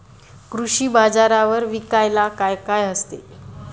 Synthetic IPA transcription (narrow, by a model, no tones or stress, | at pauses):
kɾuɕiːbad͡zaɾaʋəɾʋikajlakajkajəst̪ḛ